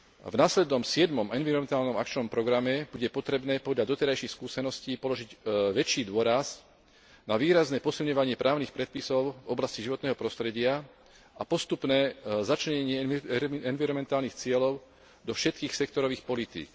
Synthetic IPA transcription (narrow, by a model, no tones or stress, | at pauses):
vnaːslɛd̪nɔmsɪɛd̪mɔmɛnʋiɾɔmɛnt̪aːlnɔmakt͡ʃnɔmpɾɔɡɾamɛbuɟɛpɔt̪ɾɛbnɛːpɔd̪lʎad̪ɔt̪ɛɾajʃixskuːsɛnɔsciːpɔlɔʒiɟʋɛt͡ʃiːd̪ʊɔɾaz | naʋiːɾaznɛːpɔsilɲɔʋaɲɪɛpɾʔaːʊnixpɾɛt̪̚pisɔʊvɔblasciʒiʋɔt̪nɛːɦɔpɾɔst̪ɾɛɟɪa | apɔst̪upnɛːzat͡ʃlɛɲɛɲɪɛɛnviɾɔmɛnt̪aːlnixt͡sɪɛlɔʊ | d̪ɔfʃɛt̪̚kiːxsɛk̚t̪ɔɾɔʋiːxpɔlit̪ḭːk